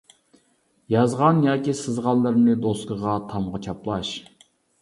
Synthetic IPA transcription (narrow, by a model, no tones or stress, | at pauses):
jɑzʁɑnjɑːkʲisɨzʁɑlˠːɨɾnɨd̪oskəʁɑt̪ʰɑmʁət͡ʃʰɑplˠɑʃ